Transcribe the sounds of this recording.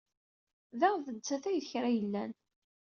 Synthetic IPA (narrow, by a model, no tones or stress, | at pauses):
ðæʁðədt͡sːæθæjðçɾæjəlːæn